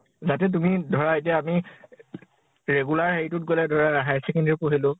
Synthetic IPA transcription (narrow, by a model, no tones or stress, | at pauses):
zatɛt̬umidʱɔɹaetijaami | ɹeɡulaɹɦejtʊt̚ɡolɛdʱɔɹaaɦajsɛkɛndiɹpoɦilʊ